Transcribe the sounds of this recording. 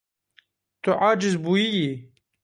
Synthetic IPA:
t̪ʰuʔaːd͡ʒɪzbujiji

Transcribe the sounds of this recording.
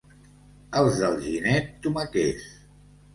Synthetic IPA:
əlˠzðəlˠʒinɛt̪ːuməkes

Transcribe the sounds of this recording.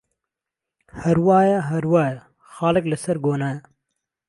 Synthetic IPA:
hɐɾwɑːjaɦɐɾwɑːjɐ | xɑːlɨkləsɐɾɡoːna

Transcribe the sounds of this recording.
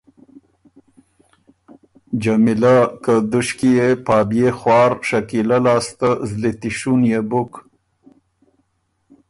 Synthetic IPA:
d͡ʒamilakəd̪uʃkijepaːbjexwɑːɾʃakilalaːst̪əzlit̪iʃunjebʊk

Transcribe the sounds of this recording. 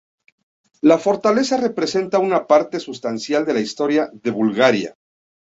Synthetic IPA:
lafo̞ɾt̪ale̞sare̞pɾe̞se̞nt̪aunapaɾt̪e̞sust̪ansjald̪e̞laist̪o̞ɾjaðe̞βulɣaɾja̰

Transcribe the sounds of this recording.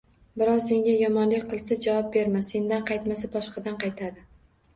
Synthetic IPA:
bɪɾɒwse̞ŋʲajɒmɒnlɪkʲqʰɨlˠsad͡ʒavɒp̚be̞ɾmase̞nd̪anqʰɑjt̪masabɒʃqʰɑd̪anqʰɑjt̪ʰad̪ɪ

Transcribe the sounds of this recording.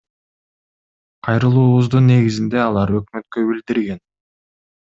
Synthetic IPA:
qʰɑjɾɯlˠuːβuzd̪unːe̞ɡizind̪e̞ɑlˠɑɾø̞kmø̞t̪kø̞bild̪iɾɡe̞n

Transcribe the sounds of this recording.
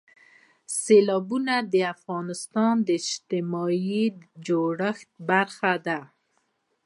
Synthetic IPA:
selɑbunad̪əafɣɑnɪst̪ɑnd̪əɪd͡ʒt̪ɪmɑjid͡ʒoɽəxt̪̚baɾxad̪a

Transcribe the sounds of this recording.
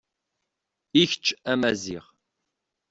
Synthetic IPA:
içt͡ʃːæmæzḭʁ

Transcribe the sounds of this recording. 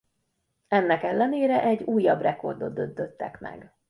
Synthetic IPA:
ɛnːɛkɛlːɛneːɾɛʔɛɟːuːjːɒbrɛko̞̰rd̪o̞t̪d̪ønd̪øt̪ːɛ̰kmɛ̰ɡ

